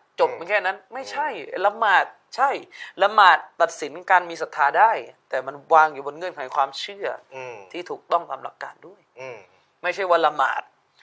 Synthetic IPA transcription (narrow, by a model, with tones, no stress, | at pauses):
t͡ɕo˨˩p̚ma˧nkʰɛː˥˩na˦˥nma˥˩jt͡ɕʰa˥˩jla˧maː˨˩t̪̚ | t͡ɕʰa˥˩jla˧maː˨˩t̪̚ːa˨˩t̪̚si˩˦nkaː˧nmiː˧sa˨˩t̪ʰːaː˧daː˥˩jt̪ɛː˨˩ma˧nwaː˧ŋjuː˨˩bo˧nŋɤ˧˩˨nkʰa˨˩˦jkʰwaː˧mt͡ɕʰɯ˥˩ɐt̪ʰiː˥˩t̪ʰuː˨˩k̚t̪ɔ˥˩ŋt̪a˧mla̰˨˦kːa̰ː˧ndu˥˩əj | ma˥˩jt͡ɕʰa˥˩jwaː˥˩la˧ma̰ː˨˩t̪̚